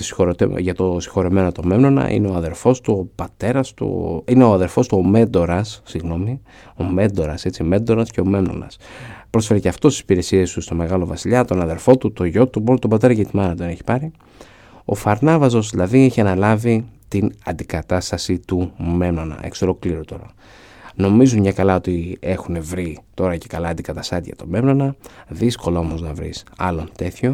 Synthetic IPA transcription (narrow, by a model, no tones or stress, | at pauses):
si̥xoɾot̪eʝɐt̪o̞si̥xo̞ɾome̞not̪o̞me̞mno̞nɐ̰ʔḭne̞o̞ɐðe̞ɾfo̞st̪uopɐt̪e̞ɾɐst̪ṵineoɐðe̞ɾfo̞st̪uo̞me̞nd̪o̞ɾɐsːiɣno̞mi | o̞me̞nd̪o̞ɾɐse̞t͡siome̞nd̪o̞ɾɐsceo̞me̞mno̞̰nɐ̰spɾo̞sfe̞ɾeceɐft̪o̞st̪i̥si̥piɾe̞sie̞st̪ust̪o̞me̞ɣɐlo̞vɐsiʎɐt̪o̞nɐðe̞ɾfo̞t̪ut̪o̞ʝo̞t̪ubolt̪obɐt̪e̞ɾɐʝɐt̪imɐnɐt̪one̞çi̥pɐɾi | o̞̰fɐɾnɐvɐzo̞zðilɐðieçiɐnɐlɐvit̪inɐ̰nd̪ikɐt̪ɐst̪ɐsit̪ume̞mno̞nɐ̰ʔḛkse̞ɾo̞kliɾo̞t̪o̞ɾɐ̰ | no̞mizunɲɐkɐlɐot̪ie̞xune̞vɾit̪o̞ɾɐce̞kɐlɐːnd̪ikɐt̪ɐst̪ɐt̪ʝɐ̰t̪o̞me̞mno̞nɐðisko̞lɐo̞mo̞znɐvɾḭsɐ̰lo̞nt̪e̞θço̞